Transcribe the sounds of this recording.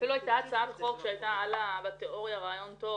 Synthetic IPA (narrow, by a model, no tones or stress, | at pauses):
filuajtaːt͡saabeχo̞kʃeajt̪aʕalabat̪eʔo̞ʁjaʁaːjo̞nt̪o̞